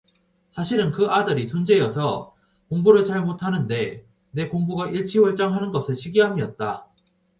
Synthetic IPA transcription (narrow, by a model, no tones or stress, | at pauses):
sʰaɕʰiɾɯnkɯadɯɾitund͡ʑe̞jʌsʰʌ | koŋbuɾɯɭt͡ɕaɭmotʰanɯnde̞ | ne̞koŋbuɡaʔiɭt͡ɕʰiwʌɭt͡ɕ͈aŋɦanɯnɡʌsʰɯɭɕʰiɡiɦamiʌt̚t͈a̰